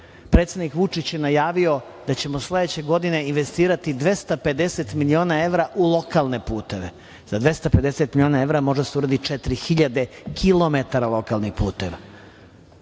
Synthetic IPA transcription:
pɾeːt̪sed̪nikʋut͡ʂit͡ɕje̞najaːʋio̞ | d̪at͡ɕe̞mosled̪et͡ɕe̞ɡo̞d̪ine̞inʋest̪iːɾat̪id̪ʋe̞st̪ape̞d̪eset̪milio̞ːnae̞ʋɾaʔulˠo̞kalˠne̞puːt̪e̞ʋe | zad̪ʋe̞st̪ape̞d̪e̞set̪milio̞ːnae̞vɾamo̞ʒd̪aseuɾad̪it̪t͡ʂet̪ɾixiʎad̪e̞kʰilˠo̞met̪aɾalˠo̞kalˠnixpṵːt̪eʋa

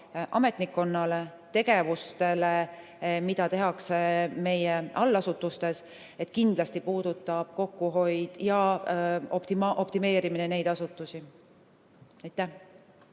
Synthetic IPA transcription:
ʔɑ̰me̞t̪ˑnikːˑo̞nːɑle̞ | t̪e̞ɡ̥e̞vust̪e̞le̞ | mid̪̥ɑt̪e̞ɦɑkseme̞jeʔɑlːɑsut̪ːˑust̪e̞s | e̞t̪kind̪̥lɑst̪ipuːd̪̥ut̪ːˑɑb̥̚ko̞kːuɦo̞jd̪̥jɑ | o̞pt̪imʔo̞pt̪ime̞ːɾiminene̞jd̪̥ɑsut̪ːˑusi | ɑjt̪ˑːæh

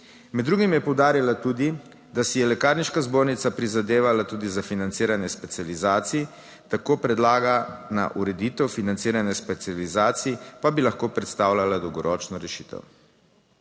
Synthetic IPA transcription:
mɛd̪d̪ːɾuːɡimjɛpɔwd̪aːɾjilat̪uːd̪i | d̪asijɛlɛkaːɾniʃkazboːɾnit̪sapɾizad̪eːʋalat̪uːd̪izafinant̪siːɾanjɛspɛt̪sijalizaːt̪siɛ | t̪akoːpɾɛd̪laːɡana̰ʔuɾɛd̪iːt̪ɛwfinant̪siːɾanjɛspɛt̪sializaːt̪siipabilaxkoːpɾɛt̪st̪aːwlʲalad̪ɔwɡɔɾʔɔːt͡ʃnɔɾɛʃi̥t̪ɛ̰w

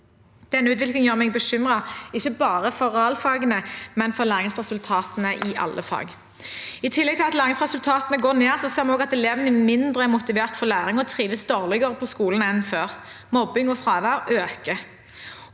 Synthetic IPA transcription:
d̪̥ɛnːəʉːt̪̬ʋɪlklɪŋjøːʁmɛɡ̚bəʃʏmʁɑɪçːəbɑːʁəfɔʁɛɑlfɑːɡənəmɛnfɔʁlæːʁɪŋsʁɛsʉlt̪ʰɑːt̪ənəʔɪʔɑ̰lʔəfɑ̰ːɡ | ɪt̪ʰɪlːɛɡt̪ʰɪlɑt̪læːɾʁɪŋsʁɛsʉlt̪ʰɑːt̪ənəɡoːneːʁsɔseːʁmɛnoːɡɑt̪ɛleːʋnəmɪnd̪ʁəɛʁmʊt̪ɪʋeːʁt̪fɔʁlæːʁɪŋɔt̪ʰʁiːʋəsd̪oːʁlɪɡəʁəpʰɔskuːlənɛnføːʁ | mɔbɪŋɔfʁɑːʋæʁøːkə

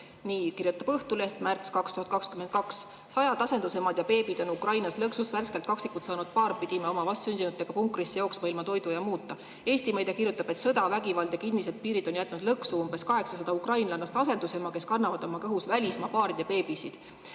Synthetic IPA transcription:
niːkirjut̪ːˑɑb̥ɤht̪ule̞ht̪mært̪skɑkst̪uhɑt̪̚kɑkskymen̚kɑksː | ɑjɑd̪̥ɑsend̪use̞mɑd̪jɑpe̞ːb̥id̪̥o̞nukrɑjnɑslɤksusværske̞lt̪kɑksikːˑult̪sɑːnud̪̥̚pɑːɾpid̪̥imɑomɑvɑst̪synʲd̪̥ʲinut̪ːˑe̞ɡ̥ɑpuŋkːˑrisːejo̞ːksmɤilmɑt̪o̞jd̪ujɑmuːt̪ˑːɑ | e̞ːsʲt̪imejd̪̥ekirjut̪ːˑɑb̥e̞t̪sɤd̪ɑvæɡivɑld̪jɑkind̪ise̞d̪̥̚piːɾid̪o̞njæt̪ˑnud̪̥lɤksuumbe̞skɑɦe̞ksɑsɑd̪̥ɑukrɑjnlɑnːɑst̪ɑse̞nd̪̥usemɑke̞skɑnːɑvɑd̪̥o̞mɑkɤɦusvælʲismɑpɑːɾid̪̥ɑpe̞ːb̥isid̪̥

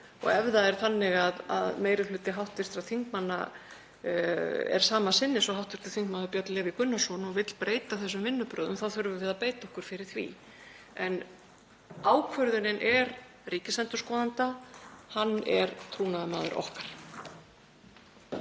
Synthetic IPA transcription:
ɔ̰ɣɛvðaɛɾ̥θanːɪɣaða̰ðmeːjɾɪlʏːt̪ɪɦawht̪ɪst̪ɾaðθiŋkmanːa̰ | ɛ̰ɾ̥saːmasɪnːɪsɔɦawht̪ɪ̥ɾ̥t̪ḁθiŋkmaːðʏɾpjœt̪lɛːvɪkʏnːasɔnɔɣvɪt̪l̥pɾeːjt̪aθɛs̬ːʏmvɪnːʏpɾœːðʏmθawθʏɾvɪvɪːðapeːjt̪aɔhkʏɾ̥fɪɾɪɾ̥θvḭ | ɛn | aːwkʰvœɾðʏnɪnʔɛɾ | riːcɪsɛnt̪ʏ̥ɾskɔːðant̪ahanːɛ̰ɾt̪ʰuːnaðamaːðʏɾʔɔ̰hkaɾ̥

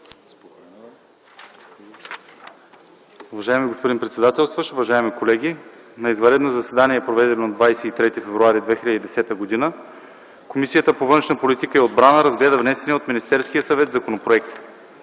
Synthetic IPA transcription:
ʊvɐʒaɛmiɡospod̪inpɾɛt̪sɛd̪at̪ɛlˠst̪vəʃʊvɐʒaɛmikolɛɡ̟ʲi | nɐizvɐɾɛd̪nozɐsɛd̪aniɛːpɾovɛd̪ɛnod̪vajsɛit̪ɾɛt̪ifɛvɾuaɾid̪vɛxilʲəd̪id̪ɛsɛt̪əɡod̪inə | komisijət̪əpovɤnʃnəpolit̪ikəɛod̪bɾanəɾɐzɡlɛd̪əvnɛsɛniɛot̪minist̪ɛɾskijəsɐvɛt̪zɐkonopɾoɛkt̪

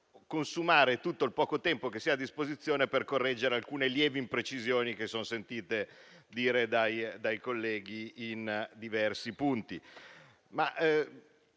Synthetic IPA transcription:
konsumaːɾet̪ut̪ːoilpɔːkot̪ɛmpok̟esiːaːd̪ːispozit̪sːjoːneperkorːɛd͡ʒːeɾealkuːneljɛːviimpɾet͡ʃizjoːnik̟esːonosent̪iːt̪e | d̪iːɾed̪ajd̪ajkolːɛːɡiind̪ivɛrsipunt̪i | maʔ

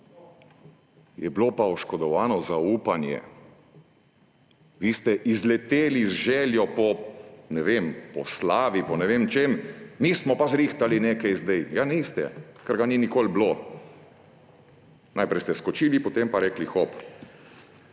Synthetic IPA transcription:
jɛblopaɔʃkɔd̪ɔʋaːnɔzauːpanjɛ̰ | ʋiːst̪ɛʔizlɛt̪eːlizʒɛːljɔpɔnɛʋempɔslaːʋipɔnɛʋeːmt͡ʃemːismɔpazɾiːxt̪alineːkajzd̪ɛjjanist̪ɛ̰kɛɾɡaninikoːlblo | najpɾɛjst̪ɛskɔt͡ʃiːlipɔt̪empaɾɛːklixɔp

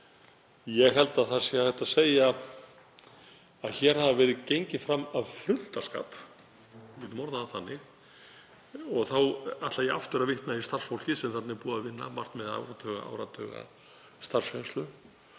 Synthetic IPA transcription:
jɛɣɦɛlt̪aðθasɪaθɛht̪aseːja | aðçɛːɾ̥havavɛːɾɪðcejɲcɪfɾamːavfɾʏl̥t̪aska̰ːt̪ | ɪt̪mɔɾðaːθanːɪx | ɔɣθawaht̪laɛaft̪ʏɾavɪht̪naist̪ar̥sfowl̥cɪsɛmθat̪nɪpuːðavɪnːa̰ma̰r̥t̪mɛða̰wɾat̪ʰœɣa̰a̰wɾat̪ʰœːɣa̰ | st̪ar̥sfenst̪lʏ

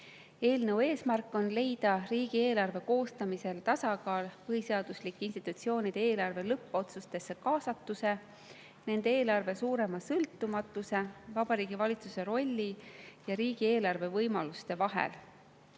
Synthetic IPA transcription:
e̞ːlnəwe̞ːsmærkˑːo̞nle̞jd̪̥ɑriːɡ̥ieːlɑrve̞ko̞ːst̪ɑmise̞lt̪ɑsɑkɑːlpɤɦise̞ɑd̪̥uslikːˑinst̪it̪ut̪sio̞ːnid̪̥e̞eːlɑrve̞lɤpːo̞t̪sust̪e̞sːe̞kɑːsɑt̪ːˑuse̞ | ne̞nd̪̥e̞eːlɑrve̞suːɾe̞mɑsɤlt̪ːˑumɑt̪ːˑuse̞vɑb̥ɑɾiːɡ̥ivɑlʲit̪suse̞ɾo̞lʲːijɑɾiːɡ̥ie̞ːlɑrve̞vɤjmɑlust̪e̞vɑɦḛl

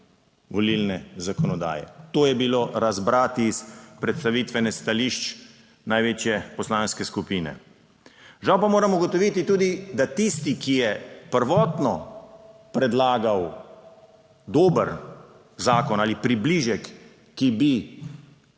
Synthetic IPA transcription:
ʋɔlilnɛzakɔnɔd̪a̰ːjɛ̰t̪oːjɛbiloɾazbɾaːt̪ispɾɛt̪st̪aʋit̪ʋɛnɛst̪aliʃt͡ʃ | najʋeːt͡ʃjɛpɔslaːnskɛskupiːnɛ̰ | ʒawpamoːɾamɔɡɔt̪ɔʋit̪it̪uːd̪id̪at̪ist̪ikijɛpəɾʋɔːt̪nɔ | pɾɛd̪laːɡaw | d̪oːbəɾ | zaːkɔnaːlipɾibliʒɛkː | ibi

